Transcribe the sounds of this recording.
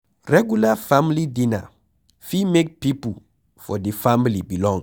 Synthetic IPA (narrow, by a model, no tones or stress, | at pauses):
ɹɛɡjulafãmlidĩna̰ | fimek̚pipu | fɔdifamilibilɔ̃ŋ